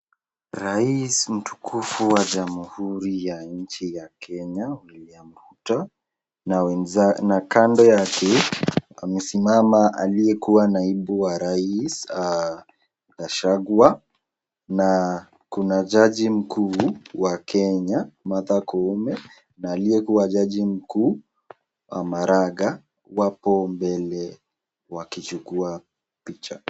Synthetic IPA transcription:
ɾaism̩tu̥kʰufuwad͡ʒamuhuɾijaɲ̩t͡ʃijakʰɛɲaulliambuta | nwɛnzanakandɔjakɛamɛsimamaʔalijɛkuwanaiɓuwaɾaisa | kaʃaɡwa | na | kunad͡ʒaʄim̩kʰuːwakʰɛɲamatakɔmɛ | naːlijɛkuwad͡ʒaʄim̩kuː | wamaɾaɡa | wapɔmbɛlɛ | wakit͡ʃukua | pit͡ʃa

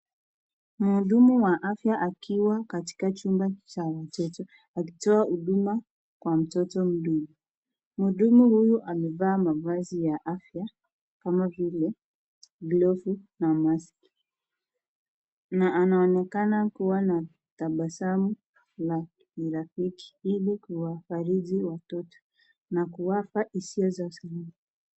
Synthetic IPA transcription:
muɗumuwaʔafjaʔakʰiwakati̥kat͡ʃumbat͡ʃawatɔtɔ | aki̥tɔauɗuma | kwam̩tɔtɔm̩ɗuɡu | muɗumuhujuʔamɛvaːmavazijaʔafja | kamavilɛ | ɡlɔfunamaski̥ | naʔːnaɔnɛkanakuwana | taɓasamu | la | iɾafiki̥ilikuwafaɾiʄiwatɔtɔ̥ | nakuwafaisiɔzausalii

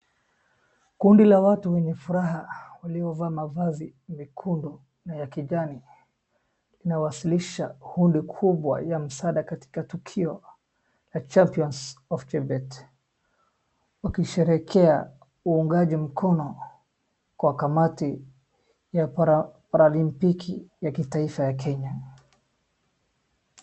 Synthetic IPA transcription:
kundilawatuwɛɲɛfuɾaɦawaliɔvaːmavazimikʰundɔ | najakiʄani | linawasiliʃahundikʰuɓwa̰jam̩saɗakati̥katukʰiɔ | lat͡ʃampiɔnsɔft͡ʃɛbɛt | wakiʃɛɾɛkʰɛa | uːŋɡaʄim̩kʰɔnɔ | kwakamati | japaɾalimpikʰijakitaifajakɛɲa

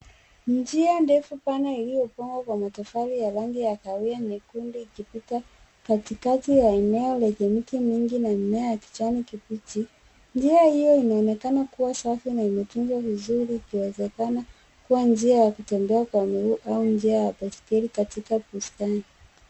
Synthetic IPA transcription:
d͡ʒiandɛfupanailijɔpaŋɡwakwamatafalijalaŋɡijakaianɛkundiːkipita | katikatijaɛnɛɔlɛʄɛmikimiŋɡinam̩mɛajaki̥t͡ʃanikipiti | nd͡ʒiahijɔinaɔnɛkanakuwasafinaimɛtuŋɡwavizuɾiːkiwɛzɛkana | kuwand͡ʒiajakutɛmbɛakwamiɾuʔaund͡ʒiajabaskɛɾikatikapustani

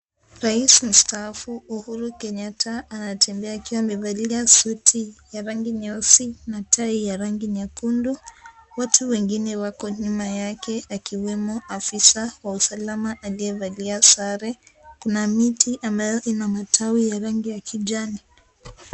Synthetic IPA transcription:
ɾaism̩stafuːhuɾukɛɲatʰaːnatʰɛmbɛaːkiwamɛvaliasutʰijaɾaŋɡiɲɔsinatʰaijaɾaŋɡiɲakundɔwatʰuwɛŋɡinɛwakɔɲumajakʰɛakiwɛmɔafisawausalamaʔaliɛvaliasaɾɛkunamitʰiʔambajɔʔinamatʰawijaɾaŋɡijakʰid͡ʒani

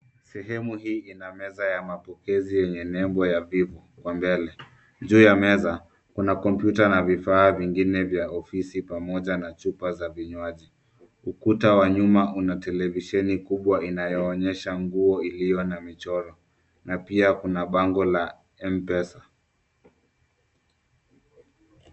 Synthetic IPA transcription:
sɛɦɛmuhiːinamɛzajamapɔkɛzijɛɲɛnɛmbɔjavivɔ | kwambɛlɛ | ʄuːjamɛza | kunakɔmpjutanavifaːviŋɡinɛvjaɔfisipamɔʄanat͡ʃupazaviɲwaʄi | ukutawaɲumaʔunatɛlɛviʃɛnikuɓwaʔinajɔːɲɛʃaŋɡuɔilijɔnamit͡ʃɔɾɔ | napiakunaɓaŋɡɔla | ɛmpɛsa

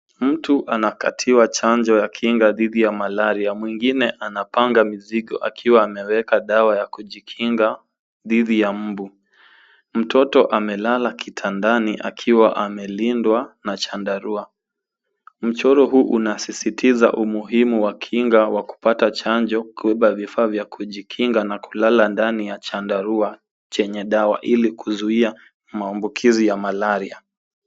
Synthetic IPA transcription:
m̩tuʔanaka̰tʰiwat͡ʃaɲd͡ʒɔjakʰiŋɡaðiðijamalaɾiamwiŋɡinɛʔanapaŋɡamiziɠɔ̰ʔa̰kʰiwaːmɛwɛkaɗawajakuʄikʰiŋɡa | ðiðijam̩bu | m̩tɔtɔʔamɛlalakitʰandaniʔa̰kʰiwaʔamɛlindwanat͡ʃandaɾua | m̩t͡ʃɔɾɔɦuːʔunasisitʰiza̰ʔumuɦimuwakʰiŋɡawaku̥patat͡ʃaɲd͡ʒɔkubɛɓavifaːvjakʰuʄikʰiŋɡanaku̥lalandanijat͡ʃandaɾua | t͡ʃɛɲɛɗawa̰ʔilikuzuia | maːmbukʰizijamalaɾia

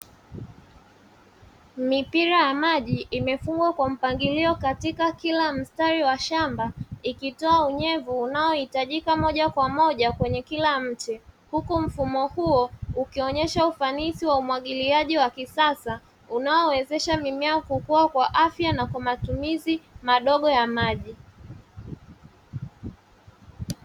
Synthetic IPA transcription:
mipiɾajamaʄiːmɛfuŋɡwakwam̩paŋɡiliɔkatikakilam̩staɾiwaʃambaikitɔauɲɛvuːnaɔhitaʄikamɔʄakwamɔʄakwɛɲɛkilam̩t͡ʃihukum̩fumɔhuɔukiɔɲɛʃaufanisiwaumwaɠiliaʄiwakisasa | unaɔwɛzɛʃamimaɔkukuwakwaʔafjanakwamatumizimaɗɔɠɔjamaʄi

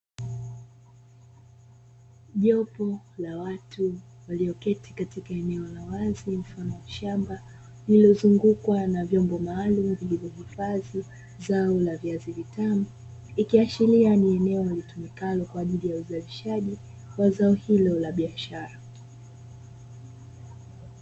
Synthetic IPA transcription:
ʄɔpɔ | lawatu | waliɔkɛtikatikaɛnɛɔlawazim̩fanɔwaʃamba | lilɔzuŋɡukwanavjɔmbɔmaːlumuviʄivɔhifazi | zaɔlaviazivitamu | ikiaʃilianiɛnɛɔalitumikalɔkwaːʄilijauzaliʃaʄi | wazaɔhilɔlaɓiaʃaɾa

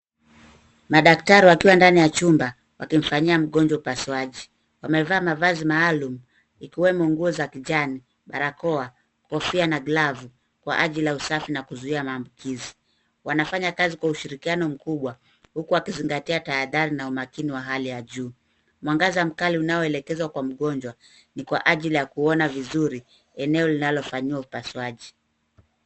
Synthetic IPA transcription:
maɗaktaɾiwakiwandanijat͡ʃumba | wakim̩faɲiam̩ɠɔɲd͡ʒwaupasiwaʄi | wamɛvaːmavazimaːlumu | ikiwɛmɔŋɡuɔzakiʄani | ɓaɾakɔa | kɔfianaɡlavu | kwa̰ʔaʄilausafinakuzuiamaːmbukʰizi | wanafaɲakazikwauʃiɾikianɔm̩kuɓwa | hukuakiziŋɡatiataːðaɾinaumakiniwaɦalijaʄuː | mwaŋɡazam̩kaliunaɔɛlɛkɛzwakwam̩ɠɔnd͡ʒwa | nikwa̰ʔaʄilijakuɔnavizuɾi | ɛnɛɔlinalɔfaɲiwaupasuaʄi

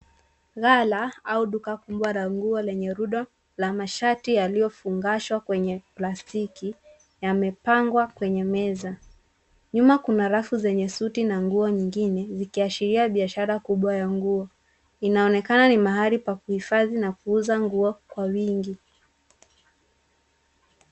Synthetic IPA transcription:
ɣalaauɗukakumbwaɾaŋɡuɔlɛɲɛɾuɗɔ | lamaʃatijaliɔfuŋɡaʃwakwɛɲɛplastiki | jamɛpaŋɡwakwɛɲɛmɛza | ɲumakunaɾafuzɛɲɛsutinaŋɡuɔɲiŋɡinɛzikiaʃiɾiaɓiaʃaɾakuɓwajaŋɡuɔ | inaɔnɛkananimaɦaɾipakuhifaðinakuuzaŋɡuɔkwawiŋɡi

